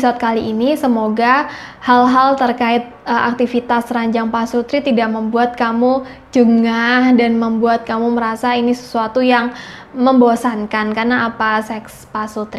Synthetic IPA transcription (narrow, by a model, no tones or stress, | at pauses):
sat̪̚kaliʔinisəmoɡahalɦalt̪ərkaɪt̪̚əʔa̰k̚t̪ifit̪asɾaɲd͡ʒaŋpasut̪ɾit̪idaʔməmbuat̪̚kamu | d͡ʒəŋahdanməmbuat̪̚kamuməɾasainisə̥suat̪ujaŋməmbosankankarnaːpasɛkspasut̪ɾi